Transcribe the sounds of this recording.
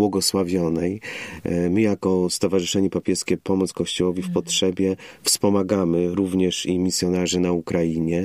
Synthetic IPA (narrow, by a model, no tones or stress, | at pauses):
wɔɡɔswavʲjɔnɛj | mɘjakɔst̪ɔvaʐɨʂɛɲɛpapʲjɛskʲɛpɔmɔt̪skɔɕt͡ɕɔwɔvʲifpɔtʂɛbʲjɛfspɔmaɡamɘɾuvɲɛʂimʲisʲjɔnaʐɘnaukɾajiɲɛ